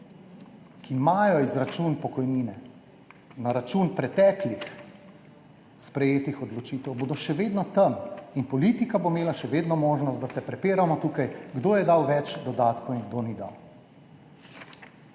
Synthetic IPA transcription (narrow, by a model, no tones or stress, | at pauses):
kʰimaːjɔizɾat͡ʃunpɔkɔjniːnɛ | naɾat͡ʃuːnpɾɛt̪ɛːklix | spɾɛjeːt̪ixɔd̪lɔt͡ʃiːt̪ɛwboːd̪ɔʃɛʋeːd̪nɔt̪əminpɔliːt̪ikabomeːlaʃɛʋeːd̪nɔmoːʒnɔst̪d̪asɛpɾɛpeːɾamɔt̪uːkajɡd̪oːjɛd̪awʋɛt͡ʃd̪ɔd̪aːt̪kɔinɡ̚d̪onid̪a̰w